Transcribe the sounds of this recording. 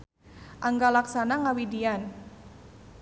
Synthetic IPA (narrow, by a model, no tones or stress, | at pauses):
ʔaŋɡalaksanaŋawidian